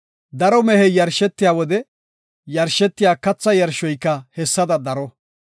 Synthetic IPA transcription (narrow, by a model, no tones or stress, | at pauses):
d̪ɐɾɔmɛhɛjɐɾʃɛt̪ːɪjaːwɔd̪ɛ | jɐɾʃɛt̪ːɪjaːkɐt͡sːɐjɐɾʃːɔjkːɐhɛsːɐd̪ɐd̪ɐɾɔ